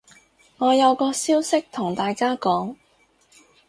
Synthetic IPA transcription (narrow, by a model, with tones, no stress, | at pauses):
ŋɔː˨˧jɐ˨˧wkɔː˧siː˥wsɪ˥k̚t̪ʰʊ˨˩ŋt̪aː˨jkaː˥kɔː˨˥ŋ